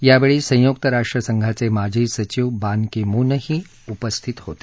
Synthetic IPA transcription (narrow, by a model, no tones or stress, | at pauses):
jaʋeɭiːsə̃jok̚t̪əɾaʂʈɾəsəŋɡʱat͡semad͡ʑʱiːsət͡ɕiʋbankemunəhiː | upəst̪ʰit̪ɦo̰t̪e